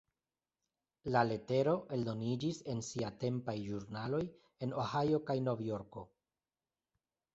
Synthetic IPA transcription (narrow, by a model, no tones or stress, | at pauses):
lale̞te̞ɾo̞ʔe̞ld̪o̞nid͡ʒise̞nsiate̞mpajʒuɾnalo̞j | e̞no̞hajo̞kajno̞vjo̞ɾko̞